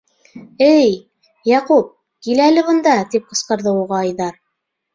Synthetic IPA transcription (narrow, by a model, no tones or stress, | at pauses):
ɘj | jɑqup̚ | kilælɘβɤ̆nd̪ɑt̪ip̚qɤ̆sqɤ̆ɾðɤuʁɑːjðɑɾ